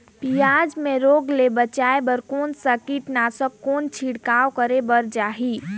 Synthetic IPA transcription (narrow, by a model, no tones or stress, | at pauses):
pijad͡ʒmeɾoɡlebət͡ʃaebəɾkonsəkiʈnasəkont͡ʃʰiɽkawkəɾebəɾd͡ʒaɦi